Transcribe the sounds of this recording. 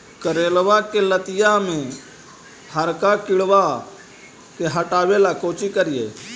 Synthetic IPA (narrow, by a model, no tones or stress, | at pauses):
kəɾeːlʋakelət̪ɪjamẽ | həɾkakɪɽʋa | keɦəʈaːʋelakoːt͡ʃikəɾɪjḛː